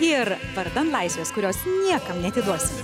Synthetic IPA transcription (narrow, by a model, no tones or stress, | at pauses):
ɪɾʋɐɾd̪ɐnt̪lˠɐɪsʲʋʲeːskʊɾʲoːsnʲiɛkɐmnʲɛɐt̪ʲɪd̪uɔsʲɪm